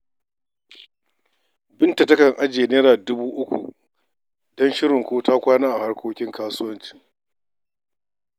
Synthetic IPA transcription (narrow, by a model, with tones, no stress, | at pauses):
bɪ˦nta˨tɐ˦kɐ˨ŋʔa˦d͡ʒeː˨neː˦ɾaː˨dʊ˦buː˦ʔʊ˦kʷṵ˨ | dɔ˦nʃɪ˦ɾɪ˨ŋkʷoː˦taː˦kʷaː˦naː˦ʔa˨ha˦ɽkʰʷoː˦kʲɪ˦ŋkaː˦sʊ˦wɐ˦nt͡ʃi̥˦